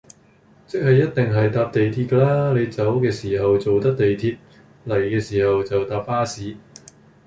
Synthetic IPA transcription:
t͡sɪ˥k̚hɐ˨jːɐ˥t̚t̪ɪ˨ŋɦɐ˨jt̪aː˧p̚t̪e˨jt̪ʰiː˧t̚kɛː˧˥laː˥ne˨˧jt͡sɐ˨˥wkɛː˧siː˨˩ɦɐ˨wt͡so˨wt̪ɐ˥k̚t̪e˨jt̪ʰiː˧t̚ | lɐ˨˩jkɛː˧siː˨˩hɐ˨wt͡sɐ˨wt̪aː˨˧p̚paː˥siː˨˥

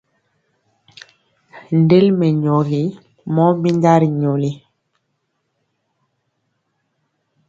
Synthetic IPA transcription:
n˨de˦lmɛ˨ɲo˨ɣi˦ | mɔ˦mi˦nda˦ɾi˨ɲo˨li˦

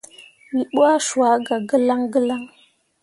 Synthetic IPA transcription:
wi˨ɓwa˦ʃu˨a˨˦ɡa˨ɡə˦la˦ŋɡə˦la˦ŋ

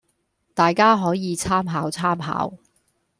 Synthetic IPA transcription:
t̪aː˨jkaː˥ɦɔː˨˥jiː˨˧t͡sʰaː˥mɦaː˨˥wt͡sʰaː˥mɦa̰ː˨˥w

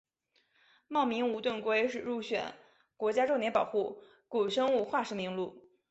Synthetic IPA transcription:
mɑ˥˩ʊmi˧˥ŋu˧˥t̪wə˥˩nkwe˥ɪʂɻ̩˨˩ɻu˥˩ɕɥɛ̰˨˩˦n | kwɔ˧˥t͡ɕja˥ʈ͡ʂt̪jɛ˧˥npɑ˨˩ʊxu˥˩ | ku˨˩ʂɤ˥ŋu˥˧xwa˥˩ʂɻ̩˧˥mi˧˥ŋlu˥˩

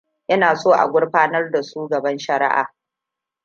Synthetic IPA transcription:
jʔɐ˦naː˨soː˦˨ʔa̰˨ɡʷʊ˦ɽɸaː˦nɐ˦rda˨suː˦ɡɐ˨bɐ˦nʃɐ˨ɾɪ̰˦ʔa̰ː˨

